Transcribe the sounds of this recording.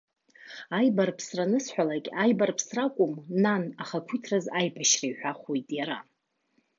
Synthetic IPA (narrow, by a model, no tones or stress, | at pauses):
ajbarpʰsranɨsħʷᶣalakʲʼajbarpʰsrakʷʼʊmnanaχakʷʰitʰrazajpʰaʃrajħʷᶣaχojtʼjaɾa̰